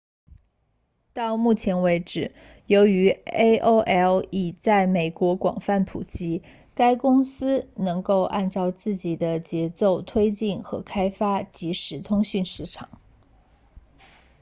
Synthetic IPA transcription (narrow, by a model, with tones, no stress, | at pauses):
t̪ɑ˥˧ʊmu˥˩t͡ɕʰjɛ˧˥nwe˧˥ɪʈ͡ʂɻ̩˨˩˦ | jo˧˥ʊy˧˥e˥ɪʔo˥ʊʔɛ˥li˨˩t͡sa˥˩ɪme˨˩ɪkwɔ˧˥kwɑ̰˨˩ŋfa˥˩npʰṵ˨˩t͡ɕi˥ | ka˥ɪkʊ˥ŋsɹ̩˥nɤ˧˥ŋko˥˧ʊʔa̰˥˧nt͡sɑ˥˧ʊt͡sɹ̩˥˩t͡ɕi˨˩d̪ə˦t͡ɕjɛ˧˥t͡so˥˩ʊt̪ʰwe˥ɪt͡ɕi˥˩nxɤ̰˧˥kʰa˥ɪfa˥t͡ɕi˧˥ʂɻ̩˧˥t̪ʰʊ˥ŋɕy˥˧nʂɻ̩˥˩ʈ͡ʂʰɑ̰˨˩˦ŋ